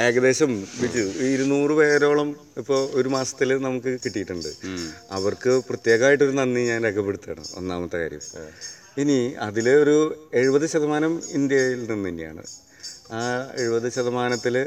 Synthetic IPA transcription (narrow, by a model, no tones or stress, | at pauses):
e̞ːɡɐðe̞ːɕɐmʋit͡ɕːuiɾunːuːrɨʋeːɾo̞ːɭɐm | ipːo̞ːo̞ɾumaːsɐ̥t̪ːilnɐmukːɨkiʈːijiʈːuɳɖɨɐ̰ʋɐrkɨprɐt̪je̞ːɣɐmaːjiʈ̬ːo̞ɾunɐnːiɲaːnɾekʰɐpːe̞ɽut̪ːa̰ːɳɨ̰o̞̰nːaːmɐt̪ːeka̰ːɾjɐ̰m | iniɐðilo̞ɾue̞ɻubɐðɨɕɐðɐmaːnɐmind̪jɐjilninːɐnːija̰ːɳɨ̰ | aːeɻubɐðɨɕɐðɐmaːnɐt̪ːil